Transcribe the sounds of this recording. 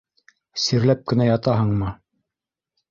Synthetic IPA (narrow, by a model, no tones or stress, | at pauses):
siɾlæp̚kɘ̆næjɑt̪ɑɦɤɴmɤ